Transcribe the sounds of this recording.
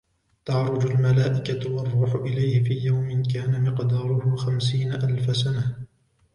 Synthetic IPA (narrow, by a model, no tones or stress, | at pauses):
t̪aʕɾˤʊd͡ʒalmalaːʔɪkawɑrˤːuːħʊʔɪlajhɪfiːjawmɪnkaːnamɪqd̪ɑːɾˤʊhʊxamsiːnaʔalfasana